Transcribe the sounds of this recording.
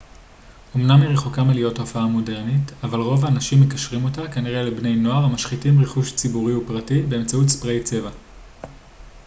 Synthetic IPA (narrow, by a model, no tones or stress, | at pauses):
o̞mnamliʁeχo̞kamelijo̞tofaamo̞de̞ʁnitavalʁo̞vaːnaʃimːekaʃʁimo̞takaniʁelebne̞jno̞aʁamaʃχitimʁeχuʃt͡sibuʁiupʁatibe̞ːmt͡sautspʁejt͡se̞va